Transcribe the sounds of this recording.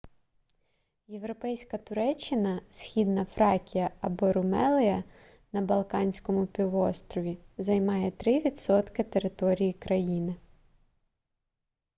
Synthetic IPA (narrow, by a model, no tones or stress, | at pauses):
je̞wɾɔpɛjsʲkɐt̪ʊɾɛt͡ʃːɪnɐsʲxʲid̪nɐfɾɑkʲijɐɐbɔɾʊmɛlˠɪjɐ | nɐbɐlˠkɑnʲsʲkɔmʊpʲiʋɔst̪ɾɔʋʲizɐjmɑjɛt̪ɾɪʋʲid̪sɔt̪kɪt̪eɾɪt̪ɔɾʲijikɾɐjinɪ